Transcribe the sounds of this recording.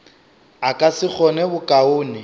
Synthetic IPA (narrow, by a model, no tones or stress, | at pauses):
akʼasɪk͡xʰɔnɛbʊkʼaʊːnɪ